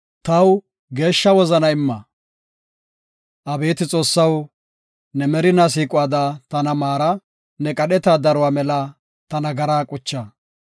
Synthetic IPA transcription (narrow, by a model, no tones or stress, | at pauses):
t̪ɐw | ɡe̞ːʃːɐwɔzɐnɐɪmːɐ | ʔɐbe̞ːt̪ɪt͡sʼo̞ːsːɐw | nɛmɛɾɪnɐs̬iːkʼʊaːd̪at̪ɐnɐmaːɾɐ | nɛkʼɐɗɛt̪ad̪ɐɾʊwaːmɛlɐ | t̪ɐnɐɡɐɾaːkʼʊt͡ʃːa